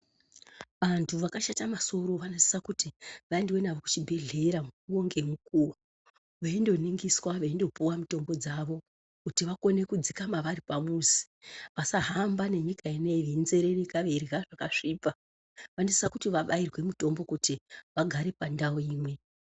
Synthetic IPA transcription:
ʋantʰuʋakaʃatamaso̞ɾo̞ʋanosi̥sakutiʋaendwe̞naʋoku̥t͡ʃibʱe̞ɮe̞ɾamuuoŋɡe̞mukuwa | ʋeindo̞niŋɡiswaʋaindo̞puwamuto̞mbo̞d͡zaʋo̞ | kutiʋako̞ne̞kud͡zikamaʋaɾipamuzi̥ | ʋasaɦambane̞ɲikaine̞ʋinze̞ɾerikaʋerraʐakaʐiːpa | ʋano̞si̥sakutiʋaɓairwe̞muto̞mbo̞kutiʋaɡʱaɾe̞pandaoiːmwe̞

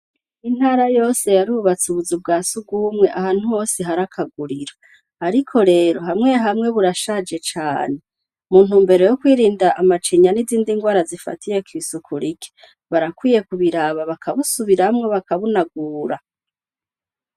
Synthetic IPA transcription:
in̥haːɾajo̞ːse̞jaɾiβuβat͡suβuzub̚ɡaːsuɡwuːmŋe̞ʔahaːn̥huho̞ːseɦaɾakʰaɡuɾiɾa | aɾikʰo̞ɾe̞ːɾo̞ɦamŋe̞ɦamŋe̞βuɾaʃad͡ʒe̞t͡ʃaːne | muːn̥uːmbe̞ɾo̞jokwiːɾiːndaʔːmat͡ʃiɲaniziːndiŋɡwaːɾazifa̰tije̞kwiːsukʰuɾike̥ | βaɾakwiːje̞kuβiɾaβaβakʰaβusuβiɾamŋeβakaβunaɡuːɾa

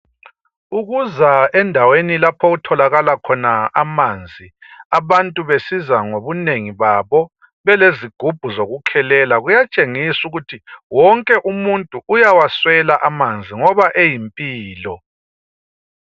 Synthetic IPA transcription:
uɣuzaɛndʱawenilapʰɔɣutʰɔlaɣalakʰɔnaamand͡zʱiaβantʼuβesizaŋoβuneŋiβaβɔ | βɛleziɡ̥ʱub̥ʱuzoɣukʰɛlɛlaɣujat͡ʃʼeŋisuɣutʰiwɔŋkʼɛʔumuntʼuʔujawaswɛlaʔamand͡zʱiŋɔβaʔejimpʼiːlɔ

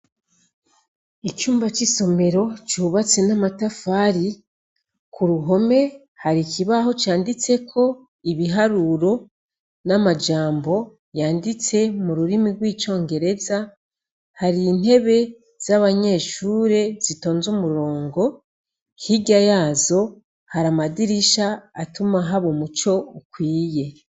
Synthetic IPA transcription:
it͡ʃuːmbat͡ʃiso̞me̞ɾo̞t͡ʃuːβat͡se̞namatafaːɾi | kʰuɾuɦo̞me̞ | haɾikiβaho̞t͡ʃaːndit͡se̞kʰo̞ | iβiɦaɾuɾo̞ | namad͡ʒaːmbo̞ | jaːndit͡se̞muɾuɾimiɾɡwiːt͡ʃo̞ːŋɡe̞ɾe̞za | haɾiːn̥e̞βe̞ | z̥aβaɲe̞ːʃuːɾe̞z̥ito̞ːnzumuɾo̞ːŋɡo̞ | hiɟajaːzo̞ | haɾamadiɾiʃaːtumaɦaβomut͡ʃo̞ukwiːje̞

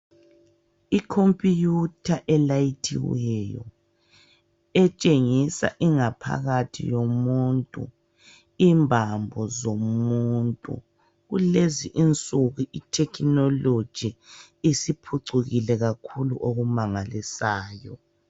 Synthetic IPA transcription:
ikʰompʼijutʰaʔɛlajitʰḭwɛjɔ̰ | ɛt͡ʃʼeŋisa̰ʔiŋapʰa̰ɣatʰḭjomuntʼṵ | imbʱambʱɔzomuntʼṵ | ɣuleziʔint͡sʼuɣuʔitʰɛkʰnɔlo̥ʒ̥ʱi | isipʰuǀuɣilɛɣakʰulṵʔoɣumaŋalisaːjɔ

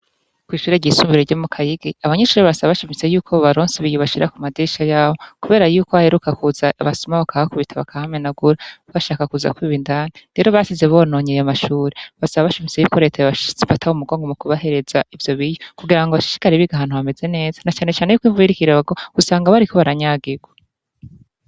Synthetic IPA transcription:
kwiːʃuːɾeɟisuːmbiɾeɟomukʰajiɡiaβaɲeːʃuːɾeβaasaβaβaʃimit͡se̞juːkʰoβaɾoːnsiβijoβaʃiɾakumadiʃajaːβokuβe̞ːɾajuːkoβahe̞ɾukakuzaβasumaβakʰaakuβitʰaβakʰahamenaɡuɾaβaʃaːkakuza̰kwiːβindaniɾe̞ːɾo̞βasizeβoːno̞ːɲejamaʃuːɾeβasaβaβaʃimit͡se̞juːko̞ɾe̞ːtʰajβaʃt͡sifatʰaumuɡoːŋɡomukuβaɦe̞ɾe̞zaivjo̞βijokuɡiɾaŋɡoβaʃi̥ʃi̥kaɾiβiɡaɦaːn̥huβame̞ze̞ne̞ːzḁnat͡ʃaːnet͡ʃaːne̞jukwiːɱvuiɾikiɾaaɡoɡ̥usaːŋɡaβaɾiko̞βaɾaɲaːɡiɡwḁ

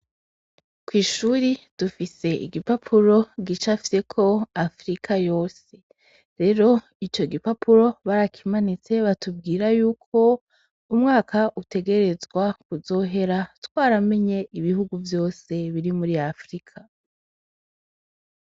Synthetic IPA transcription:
kwiːʃuɾid̥ufise̞ʔḭɡipapʰuɾo̞ɡit͡ʃafi̥se̞kʰo̞afɾikʰajo̞ːse̞ | ɾe̞ɾo̞ | it͡ʃo̞ɡipapʰuɾo̞βaɾakʰimanit͡se̞βatub̚ɡiːɾajuːkʰo̞ | umŋaːkʰaʔute̞ɡe̞ɾe̞zɡwakuzo̞ɦe̞ɾatwaːɾame̞ɲe̞ʔiβiɦuɡuvjo̞ːse̞βiɾimuɾiafɾikʰa

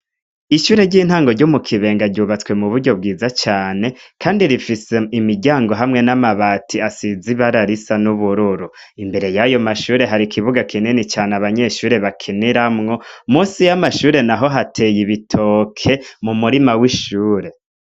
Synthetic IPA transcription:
iʃuːɾe̞ɾɟiːn̥haːŋɡo̞ɾɟomukʰiβe̞ːŋɡaɾɟuːβat͡swe̞muβuɾɟo̞b̚ɡiːzat͡ʃaːne̞kʰaːndiɾifise̞imiɟaːŋɡo̞ɦamŋe̞namaβaːtʰiasiziβaɾaɾisanuβuɾuɾu | imbe̞ɾe̞jajo̞maʃuːɾe̞ɦaɾikʰiβuɡakʰininit͡ʃaːnaβaɲe̞ʃuːɾe̞βakʰiniɾamŋo̞muːsijamaʃuːɾe̞naɦo̞ɦatʰejiβitʰokʰe̞mumuɾimawiʃuːɾe̞

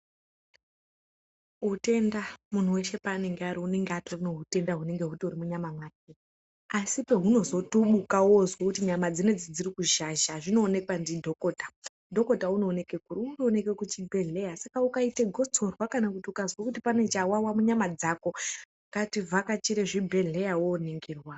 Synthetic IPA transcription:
ɦute̞ndamun̤uwe̞ʃe̞paneŋɡeaɾiune̞ŋɡeatorunoɦute̞ndaɦune̞ŋɡe̞ɦutuɾimuɲamamwane | asipe̞ɦuno̞zo̞tuɓukawozwokutiɲamad͡zined͡zid͡zirikuʃaʃaʐino̞ːne̞kwandidʱo̞koːtḁ | dʱo̞ko̞taunoːne̞ke̞kuriuno̞ne̞kekut͡ʃibʱe̞ɮe̞jasakaukaiteɡʱo̞t͡so̞rwakanakutiukazwakutipane̞t͡ʃawawamuɲamad͡zako̞ | kativʱakat͡ʃiɾe̞ʐibʱe̞ɮe̞jawoniŋɡiːrwa

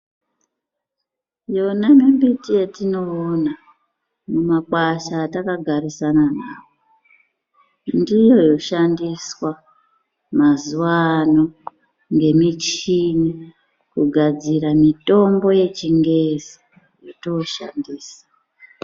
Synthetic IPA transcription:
jo̞namimbitijetino̞ːna | mumakwaʃaːtakaɡʱarisananaːwo | ndijo̞jo̞ʃandiswa | mazuwano | ŋɡe̞mit͡ʃini | kuɡʱad͡ziramito̞mbo̞je̞t͡ʃiŋɡe̞zi | jotoʃandiːsḁ

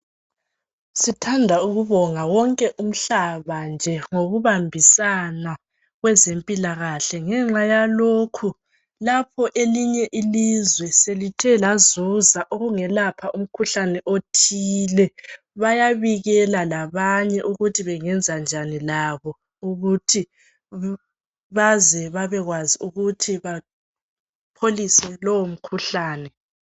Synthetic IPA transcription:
sitʰandʱauɣuβɔŋawɔŋkʼɛʔum̩ɬaβand͡ʒʱɛŋoɣuβambʱisana | ɣwɛzempʼilaɣaɬɛŋɛŋ͡ǁajalokʰu | lapʰɔʔeliɲɛʔilizwɛselitʰɛlazuzaʔoɣuŋɛlapʰaʔum̩kʰuɬanɛʔotʰiːlɛ | βajaβiɣɛlalaβaɲɛʔuɣutʰiβɛŋɛnd͡zʱand͡ʒʱanilaβɔ | uɣutʰi | βazɛβaβɛɣwaziuɣutʰiβa | pʰolisɛlowom̩kʰuɬaːnɛ

